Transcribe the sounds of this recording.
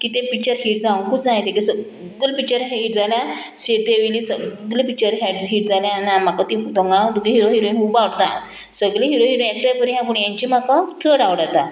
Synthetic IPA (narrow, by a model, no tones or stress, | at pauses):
kiːt̪ẽpik̚t͡ɕəɾɦiːʈd͡zaw̃kut͡snajt̪ẽkesə | ɡəlpik̚t͡ɕəɾɦiːʈ̚d͡zalja | seʈ̚d̪eʋilisəɡlepik̚t͡ɕəɾɦeʈɦiːʈd͡zaljãnãm̤akat̪iut̪ɔ̃ŋɡad̪uɡẽɦiɾoɦiɾojɦũbawɽt̪a̰ | səɡleɦiɾoɦiɾoɛk̚ʈəɾpəɾiɦãp̬uɳjãɲt͡ɕim̤akat͡səɽaʋɽat̪a